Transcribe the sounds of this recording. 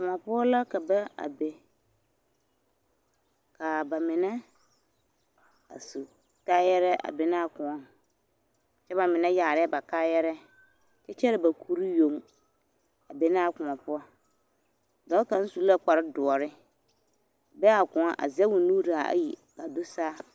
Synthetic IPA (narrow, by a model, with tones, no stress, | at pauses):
kʊ˨ma˨pʊ˦ɔ˦la˦ka˨bɛ˦a̰˨be˨ | ka˨ba˨mɪ˨nɛ˦ | a̰˨su˨ | ka˦jɛ˦ɾɛ˦ʔa̰˨be˨na˦a˨kʊ˨ŋɔ˦ | t͡ʃɛ˦ba˨mɪ˨nɛ˦jaː˨ɾɪ˦ba˨kaː˦jɛ˦ɾɛ˦ | t͡ʃɛ˦t͡ʃɛ˦ɾɪ˨ba˨kʰu˦ɾi˦jo˨˦m˦ | a˨be˦na˦˨kʊ̃˨ŋa˨pʊ˦ɔ˦˨ | dɔ˦ka˨˦n̩˦su˦la˦k͡pa˨ɾɪ˦dʊ˨ɔ˨ɾɪ˦˨ | bɛ˦a˨kʊ̃˨a̰˦ʔa̰˨zɛ˦wʊ˨nuː˦ɾa˨a̰˨ji˨ka˨do˦saː˦